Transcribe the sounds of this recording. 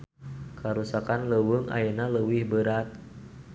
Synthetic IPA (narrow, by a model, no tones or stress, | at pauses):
kaɾusakanləwuŋa̰jənaləwɪhbəɾat̪̚